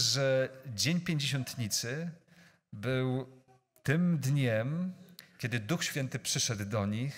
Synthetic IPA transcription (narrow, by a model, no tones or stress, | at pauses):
ʐɛd͡ʑeɲpʲjeɲd͡ʑeɕɔnt̪ɲit̪sɘ | bɘw | t̪ɘmd̪ɲɛmkʲɛd̪ɘd̪uxɕfʲjɛnt̪ɘpʂɘʂɛd̪ːɔɲix